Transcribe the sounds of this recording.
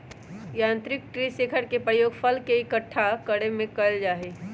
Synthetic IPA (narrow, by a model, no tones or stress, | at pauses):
jãːnt̪ɾɪk̚ʈɾiseːkʰəɾkepɾəjoːɡpʰəlkeɪkəʈʰːakəɽemẽkəld͡ʒaːɦe